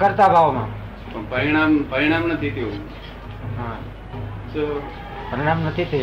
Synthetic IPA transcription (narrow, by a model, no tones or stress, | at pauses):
kəɾt̪abʱaʋmã | pəɳpəɾiɽ̃ampəɾiɽ̃amnət̪ʰit̪ʰjo | ɦã | t͡ʃo | pəɾiɽ̃amnət̪ʰit̪ʰə